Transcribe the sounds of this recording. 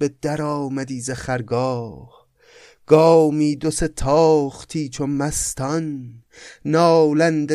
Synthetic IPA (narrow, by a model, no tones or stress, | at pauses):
bed̪æɾɒːmæd̪iːzeχæɾɡɒːh | ɡ̥ɒːmiːd̪oset̪ʰɒːχt̪ʰiːt͡ʃʰomæst̪ʰɒnː | ɒːlænd̪e